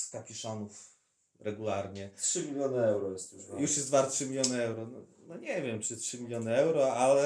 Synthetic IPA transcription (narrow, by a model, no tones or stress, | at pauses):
sk̪apʲiʂɔnuf | ɾɛɡulaɾɲɛtʂɘmʲilʲjɔnɘɛwɾɔjɛst̪juʃjuʂjɛst̪vaɾt̪tːʂɘmʲilʲjɔnɘɛwɾɔnɔ | nɔɲɛvʲjɛmtɘtʂɘmʲilʲjɔnɘɛwɾɔalɛ